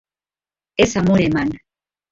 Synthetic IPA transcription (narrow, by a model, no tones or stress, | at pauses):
esamoɾeman